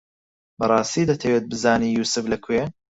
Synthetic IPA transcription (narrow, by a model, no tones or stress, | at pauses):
bɐrˤɑːst̪iːd̪ɐt̪ʰɐwet̪̚bɨzaːniːjuːsɨflɐkʰe